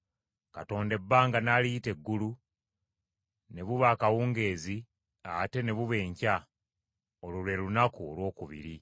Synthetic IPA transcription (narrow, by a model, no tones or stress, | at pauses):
kato̞ːnde̞bːaːŋɡanaliːte̞ɡːulu | ne̞βuβaːkawuːŋɡe̞ːzi | ate̞ne̞βuβe̞ːɲca | olulwe̞lunakuolwo̞ːkuβḭɾi